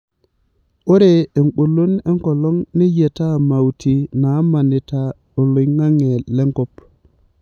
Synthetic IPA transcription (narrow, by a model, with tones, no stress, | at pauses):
o˦ɾe˨e˨ŋɓo˨lo˦ne˦ŋko˨lo˦ŋne˦je˨ta˦˨ma˨wti˨na˨˦ma˨ni˨ta˦ | ɓo˨lo˨jŋa˦ŋe˨le˦ŋko˦p